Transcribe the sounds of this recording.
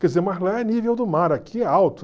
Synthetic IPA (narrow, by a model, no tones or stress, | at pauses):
kɛzemazlaɛnivewd̪ʊmaɾakʰiawt̪ʊ